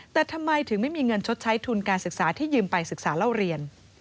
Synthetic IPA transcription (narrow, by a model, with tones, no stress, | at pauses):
t̪ɛː˨˩t̪ʰa˧mːa˧jt̪ʰɯ˨˩˦ŋma˥˩jmiː˧ŋɤ˧nt͡ɕʰo˦˥t̪̚t͡ɕʰa˦˥jt̪ʰuː˧nkaː˧nsɯ˨˩k̚saː˩˦t̪ʰiː˥˩jɯː˧mpa˧jsɯ˨˩k̚saː˩˦la˧˩wɾi˧ən